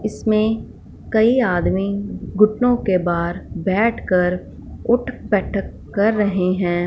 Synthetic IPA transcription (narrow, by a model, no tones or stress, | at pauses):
ɪsmẽ | kɐiaːd̪miɡʊʈnõkebaːɾbɛːʈʰkəɾ | ʊʈʰbɛːʈʰəkːɐɾːɐɦeɦɛ̃ː